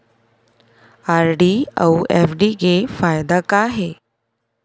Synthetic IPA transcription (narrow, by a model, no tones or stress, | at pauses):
aɾɖia̰wɛfɖiɡefajd̪akaɦe